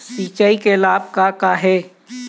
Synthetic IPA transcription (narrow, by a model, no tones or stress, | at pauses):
siːt͡ʃaikelaːb̚kakaɦɛː